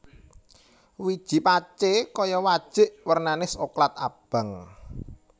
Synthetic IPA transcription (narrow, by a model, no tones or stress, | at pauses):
wid̥ʒ̥i̤pat͡ʃekɔjɔwad̥ʒ̥ɪ̤ʔwərnanɪsoklat̪̚a̰b̥a̤ŋ